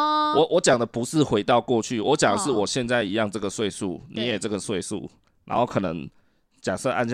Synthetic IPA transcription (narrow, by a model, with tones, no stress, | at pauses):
wɔ˨˦ʔwʔɔ˧˦t͡ɕjɑ˨˩ŋd̪ə˨˦pu˨˧˦ʂɻ̩˥˨xwe˧˥ɪt̪ɑ˥˧ʊkwɔ˥˧t͡ɕʰy˥˨wɔ˨˦t͡ɕjɑ˨˩ŋd̪ə˨˦ʂɻ̩˥˩˨wɔ˨˩ɕjɛ˥˧nt͡sa˥˩ɪi˧˦jɑ˥˧ŋʈ͡ʂɤ˥˩ɡə˩swe˥˧ɪsu˥˩ni˨˦jɛ˨˩ʈ͡ʂɤ˥˩ɡə˩swe˥˧ɪsṵ˥˩ | na̰˧˥nxo˥˩ʊkʰɤ˨˩nə̰˧˦ŋ | t͡ɕja˨˩ʂɤ˥˧ʔa̰˥˧n